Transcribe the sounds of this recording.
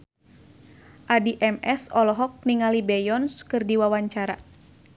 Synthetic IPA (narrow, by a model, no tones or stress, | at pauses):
ʔadiʔɛmɛsɔlɔɦɔk̚niŋalibɛjɔnskɨrdiwawaɲt͡ʃaɾa